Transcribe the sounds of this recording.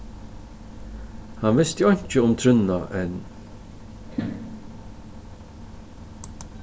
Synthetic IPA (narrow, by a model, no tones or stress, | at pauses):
hanvɪst̪jɔjɲ̥t͡ʃəʊmt̪ʰɾʏnːaʔɛn